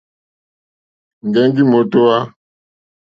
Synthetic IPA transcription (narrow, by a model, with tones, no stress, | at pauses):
ŋ˨ɡɛ˦ŋɡi˦mo˨to˦wa˦